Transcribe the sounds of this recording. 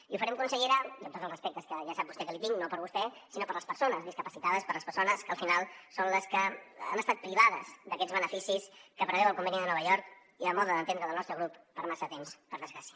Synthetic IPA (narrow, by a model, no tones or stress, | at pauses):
iufəɾɛmkunsəʎeɾəiəmt̪ot̪zəlˠzrəspɛk̚t̪əskəʒasap̚bust̪ɛkəlit̪iŋnopəɾβust̪ɛsinopəɾləspəɾsonəzðiskəpəsit̪aðəspəɾləspəɾsonəskəlˠfinalˠsonləskəə̰məst̪at̪̚pɾiβ̞aðəzðəkɛd͡zβənəfisiskəpɾəβɛwəlˠkumbɛniðənɔβ̞əʎɔɾk | iləmɔðəðənt̪end̪ɾəðəlˠnɔst̪ɾəɣɾupːəɾmasət̪emspəɾðəzɣɾasiə̥